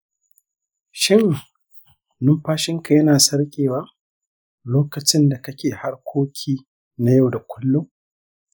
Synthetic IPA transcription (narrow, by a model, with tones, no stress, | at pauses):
ʃɪ˦˨ŋ | nʊ˦mɸaː˦ʃɪ˦ŋka˨jɐ˦naː˨sɐ˦rkʲʼeː˨waː˦ | loː˦kɐ˨t͡ʃɪ˦nda˨kɐ˦kʲeː˨ha˦rkʷʰoː˦kʲʰiː˦ | na˦ja˦˨wda˨kʷʰʊ˦lːʊ˦m